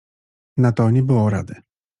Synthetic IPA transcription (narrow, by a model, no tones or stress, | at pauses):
nat̪ɔɲʲɛbɘwɔɾa̰d̪ɛ